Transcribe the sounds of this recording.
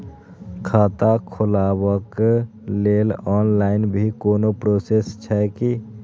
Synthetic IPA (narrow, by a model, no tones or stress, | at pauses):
kʰaːt̪akʰʊlaːwək | lelɔːnlaːɪnbʱikoːnopɾosest͡ʃʰɛki